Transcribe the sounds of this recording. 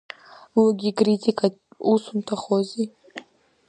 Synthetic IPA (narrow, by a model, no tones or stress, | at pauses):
laɡʲikʼritʲikʼatusuntʰaχozi